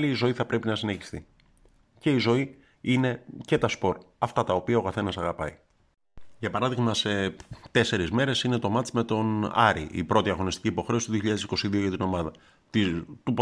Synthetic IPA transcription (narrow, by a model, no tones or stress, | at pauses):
liːzo̞iθɐpɾe̞pinɐsine̞çi̥st̪ḭ | ce̞izo̞i | ine̞ce̞t̪ɐspo̞ɾɐft̪ɐt̪ɐo̞piɐokɐθe̞nɐsɐɣɐpɐi | ʝɐpɐɾɐðiɣmɐse̞t̪e̞se̞ɾizme̞ɾe̞sine̞t̪o̞mɐt̪t͡sme̞t̪o̞nɐ̰ɾḭʔḭpɾo̞t̪iɐɣo̞nist̪ciːpo̞xɾe̞o̞st̪oðioçiʎɐðesiko̞siðioʝɐt̪ino̞mɐðɐ | t̪it̪up